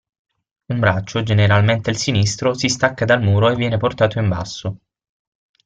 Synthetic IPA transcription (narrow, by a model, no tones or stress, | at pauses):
umbɾat͡ʃːod͡ʒeneɾalment̪eilsinist̪ɾosist̪akːad̪almuːɾoevːjɛːneport̪aːt̪oimba̰sːo